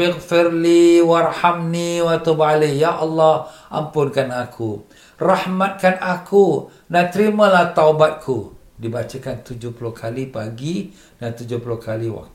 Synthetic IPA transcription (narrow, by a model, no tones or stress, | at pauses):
bɪɣfɪrliwarhamniwat̪ubalejaʔɑlːɑhʔa̰mpʊnkanakʰu | rahmat̪̚kanaku | nat̪əɾiməlaht̪aubat̪̚kʰu | dibat͡ʃəkant̪ud͡ʒʊhpuluhkʰalipaɡi | dant̪ud͡ʒʊpuluhkʰaliwa̰k̪̚